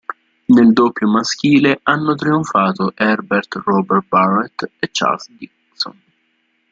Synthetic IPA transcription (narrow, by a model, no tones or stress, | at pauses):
neld̪opːjomask̟iːleʔanːʊt̪ɾioɱfaːt̪oʔɛrbert̪rɔbɛr̚barɛt̪et͡ʃːa̰lsd̪ik | so̰n